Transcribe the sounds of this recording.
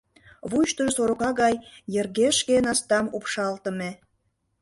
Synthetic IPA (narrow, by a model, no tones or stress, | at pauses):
βuʃt̪əʒsoɾokɑɣɑjːerɣeʃkenɑst̪ɑmupʃɑlt̪ə̆me